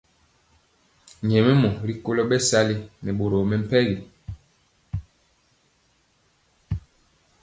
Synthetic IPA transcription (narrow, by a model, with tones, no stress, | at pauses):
ɲɛ˨mɛ˦mɔ˨ɾi˦ko˦lɔ˦ɓɛ˦sa˦li˦nɛ˨ɓo˨ɾo˨mɛ˦m̩˦˨pɛ˦ɣi˨